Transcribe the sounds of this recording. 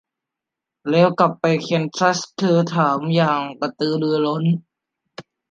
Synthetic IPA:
lɛː˧˥wka˨˩pːa˧jkʰi˧ənsʰa˦˥st̪ʰɤː˧t̪ʰaː˩˦mjaː˨˩ŋpa˧t̪ɯː˧lɯ˧ɐlo˦˥n

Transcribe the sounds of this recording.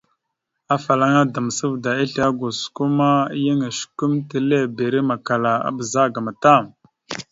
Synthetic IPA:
a˦fa˨la˦ŋa˦da˨m˨sə˦vda˨i˦ɬa˦ɡu˨su̥˨ku˦ma˦jə˦ŋa˨ʃku˦mte˨le˦˨be˨ɾi˦ma˨ka˨la˨a̰˨bə˨za˦˨ɡa˨ma˨ta˦˨m

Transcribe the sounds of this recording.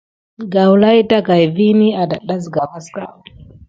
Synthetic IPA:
ɡa˨wla˦jta˦ka˨jvi˦ni˦a˨da̰˨ɗa˦sɡa˨ma˦ska̰˦

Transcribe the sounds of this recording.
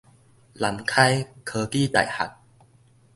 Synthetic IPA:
la˨˦mkʰa˥˧jkʰəː˧kiː˥˩t̪a̰˨˩jha̰˨˩k̚

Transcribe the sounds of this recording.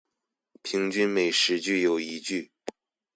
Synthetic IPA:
pʰi˧˥ŋt͡ɕy˥nme˨˩ɪʂɻ̩˧˥t͡ɕy˥˩jo˨˩ʊi˧˥t͡ɕy˥˩

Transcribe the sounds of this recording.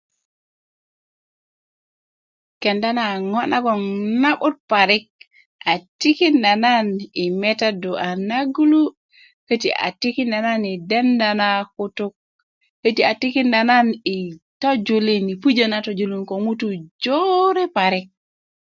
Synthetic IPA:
ke˨nda˦na˨ŋo˦nʔa˦ɡo˨ŋna˦ɓu˦t̚pa˨ɾi˦k̚ | a˨ti˦ki˦nda˨na˦ni˨me˦ta˦du˨ʔa˨na˦ɡu˦lu˦ | kə˦ti˨ʔa̰˨ti˦ki˦nda˨na˦ni˨de˦nda˨na˦ku˦tu˦k̚ | hə˦ti˨a˨ti˦ki˦nda˨na˦ni˨to˦d͡ʒu˨li˦ni˨pu˦d͡ʒə˦na˨to˨d͡ʒu˨li˦nko˨ŋu˦tu˨d͡ʒo˦ɾe˦pa˨ɾi˦k̚

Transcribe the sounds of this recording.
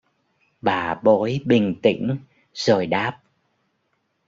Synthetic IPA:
ɓaː˨˩ɓo˨˦jɓï˨˩ŋ̟t̪ḭ̈˧˥ŋ̟ | z̥oː˨˩jɗaː˦˥p̚

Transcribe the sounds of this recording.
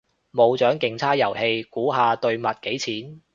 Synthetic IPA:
mo˨˧wt͡ʃœː˨˥ŋkɪ˨ŋt͡sʰaː˥t̚jɐ˨˩whe˧jkuː˨˥ɦaː˨˧t̪ɵ˧ɥmɐ˨t̚ke˨˥jt͡sʰiː˨˥n

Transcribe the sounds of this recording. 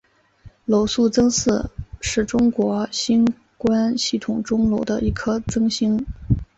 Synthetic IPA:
lo˨˥ʊsu˥˩t͡sɤ˥ŋsɹ̩˥˩ʂɻ̩˥˩ʈ͡ʂʊ˥ŋkwɔ˧˥ɕi˥n | kwa˥nɕi˥˩t̪ʰʊ˨˩ŋʈ͡ʂʊ˥ŋlo˧˥ʊd̪ə˧i˧˥˩kʰɤ˥t͡sɤ˥ŋɕi˥ŋ

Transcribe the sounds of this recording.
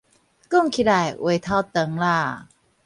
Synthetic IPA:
ku˥˩ŋkʰi˧da˧˩jʔṵ˨˩˦jt̪ʰa˧˩t̪ə˨˦ŋlaː˧˩

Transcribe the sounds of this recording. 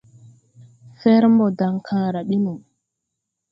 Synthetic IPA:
fɛ˦ɾmbɔ˨da˨ŋkʰãː˨ɾa˨ɓi˦nu˨m

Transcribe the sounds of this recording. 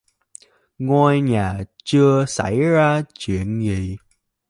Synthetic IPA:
ŋwaː˧jɲaː˨˩t͡ɕɨ˧əsa̰˧˩jzaː˧t͡ɕwḭ˧˨ənzḭ˨˩

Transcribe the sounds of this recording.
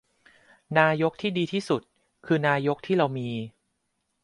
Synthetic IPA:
naː˧jo˦˥k̚t̪ʰiː˥˩diː˧t̪ʰiː˥˩su˨˩t̪̚ | kʰɯː˧naː˧jo˦˥k̚t̪ʰiː˥˩ɾa˧wmiː˧

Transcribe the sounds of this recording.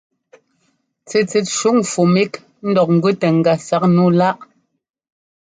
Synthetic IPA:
t͡se˨t͡se˨tʃu˨˦ŋfu˨mi˦k | n̩˦dɔ˨k̚ŋ̩˨ɡʉ˦tɛ˨ŋ̩˨ɡa˨sa˨˦k̚nu˦˨la˦ʔ

